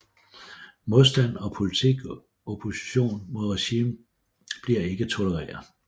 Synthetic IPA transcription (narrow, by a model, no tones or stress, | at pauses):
mo̝ðˠsd̥æn̰ɒ̽pʰo̝lit͡sʰiɡ̥ | opʰo̝si̥ɕo̝̰ːnmo̝ðˠʁɛɕiːm | b̥liɐ̰e̝ɡ̥ət͡sʰo̝ləʁɛ̰ːɐð̩ˠ